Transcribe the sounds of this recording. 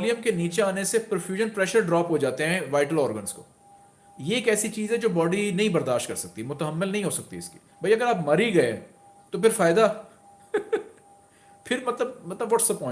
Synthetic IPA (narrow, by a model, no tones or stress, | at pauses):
lijəmkeniːt͡ʃeaːnesepɾoːfjuːʒənpɾɛːʃəɾɖɾɔːpɦod͡ʒaːt̪eɦɛ̃ʋaːɪʈəlɔːɾɡənzko̰ː | jeːkɛːsit͡ʃiːzɦɛ̃d͡ʒoːbɔːɖinɐɦĩbɐɾd̪aːʃʈ̚kɐɾsɐk̚t̪iɦɛmʊt̪əɦəmːɪlnɐɦĩɦoːsɐk̚t̪iɪski̥ | bʱɐiɐɡəɾaːpmɐɾiɡɐḛ | t̪opʰɪɾfaːɪd̪a | pʰɪɾmɐt̪ləb̚mɐt̪ləbʋɔːʈsɐpːɔ̃ː